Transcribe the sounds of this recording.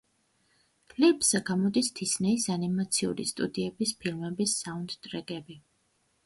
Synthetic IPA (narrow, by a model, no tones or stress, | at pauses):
kʼlipʼsaɡamɔd̪ist̪ʰisnɛisanimat̪sʰiṵɾḭst̪ʼṵd̪iɛbispʰilˠmɛbisːaund̪t̪ʼɾɛkʼɛbi